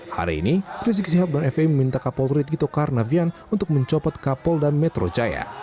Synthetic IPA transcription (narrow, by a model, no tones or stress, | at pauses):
ha̰ɾḭːniris̬ɪk̚siɦap̚danɛfeiməmint̪akapɔlrit̪̚it̪okarnavianunt̪ʊk̚məɲt͡ʃɔpɔt̪̚kapɔldanmɛt̪ɾod͡ʒaja̰